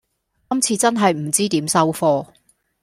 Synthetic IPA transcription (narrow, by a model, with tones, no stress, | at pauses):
kɐ˥mt͡sʰiː˧t͡sɐ˥nɦɐ˨jm̩˨˩t͡siː˥t̪iː˨˥msɐ˥wfɔː˧˥